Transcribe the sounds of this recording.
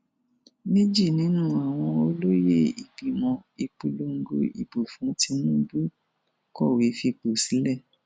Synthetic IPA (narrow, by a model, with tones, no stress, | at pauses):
nĩ˦d͡ʒi˦˨nĩ˨˦nũ˦a˨w̃ɔ̃˧o˧lo˦je˦˨ḭ˨bi˨mɔ̃˧i˧k͡pu˧lo˦ŋ̩˦ɡo˧˦ḭ˨bo˨fũ˨˦ti˧mũ˦bu˦ | kɔ˦˨we˨˦fi˧k͡po˨si˨˦lɛ˦˨